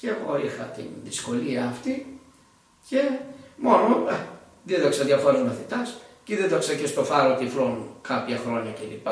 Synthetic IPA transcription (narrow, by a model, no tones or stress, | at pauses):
ceːɣo̞ixɐt̪ḭnðisko̞liɐːft̪i | ce̞mo̞no | ðieðoksɐðʝɐfoɾozmɐθit̪ɐsciðed̪oksɐcest̪o̞fɐɾot̪iflonkɐpçɐxɾo̞ɲɐcelipɐ